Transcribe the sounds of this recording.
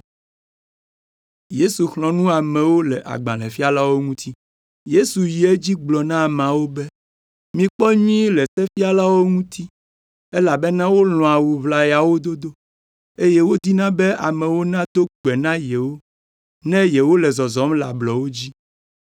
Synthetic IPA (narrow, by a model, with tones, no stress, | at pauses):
je˦su˨xlɔ̃˨nũ˦a˨mɛ̃˨wo˦lɛ˨ʔa̰˨ɡ͡bã˨lɛ̃˨fi˦a˦la˦wo˦ŋũ˦t̪ʰi˦ | je˦su˨ji˨˦e˦d͡ʑi˦ɡ͡blɔ˨nã˦˨m˨ã˨wo˦bɛ˦ | mĩ˨k͡pɔ˦ɲĩ˦lɛ˨sɛ˦fi˦a˦la˦wo˦ŋũ˦t̪ʰi˦ | e˦la˨be˦nã˦wo˦lɔ̃˨a˨wu˨βla˨ja˨wo˦d̪o˦d̪o˦ | e˦je˦wo˦d̪i˦nã˦bɛ˦a̰˨mɛ̃˨wo˦nã˦d̪o˦ɡ͡bɛ˨nã˦jɛ˨wo˦ | nɛ̃˦jɛ˨wo˦lɛ˨zɔ˨zɔ˨˦mla̰˨blɔ˨wo˦d͡ʑi˦